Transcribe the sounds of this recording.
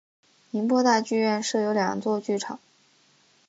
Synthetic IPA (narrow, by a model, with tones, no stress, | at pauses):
ni˧˥npwɔ˥˧t̪a˥˧t͡ɕy˥˧ɥɛ˥˧nʂɤ˥˩jo˧˥ʊljɑ̰˨˩ŋt͡swɔ˥˧t͡ɕy˥˩ʈ͡ʂʰɑ̰˨˩˦ŋ